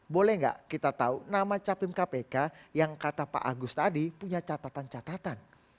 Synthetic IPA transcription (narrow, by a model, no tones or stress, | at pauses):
bolɛhŋɡa̰ʔkit̪at̪aunamat͡ʃapɪmkapekajaŋkat̪apa̰ʔaɡʊst̪adipuɲat͡ʃat̪at̪ant͡ʃat̪at̪an